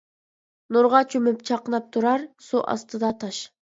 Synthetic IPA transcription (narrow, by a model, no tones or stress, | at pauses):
nuɾʁɑt͡ʃʰymypt͡ʃʰɑqənɑp̚t̪ʰuɾɑɾsuʔɑ̰st̪ɨd̪ɑt̪ʰɑʃ